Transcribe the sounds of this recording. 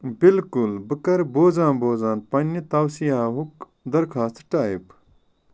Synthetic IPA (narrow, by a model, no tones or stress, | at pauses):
bilkulbɨkɐɾboːzãːnboːzaːnpɐnʲːit̪ɐwsiɦaːɦuk | d̪ɐɾkʰaːst̪ʈaːjip